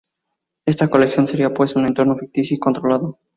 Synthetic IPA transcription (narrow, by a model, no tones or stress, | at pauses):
e̞st̪ako̞lekθjo̞nse̞ɾiapwe̞sune̞nt̪o̞ɾnofik̚t̪iθjiko̞nt̪ɾolaðo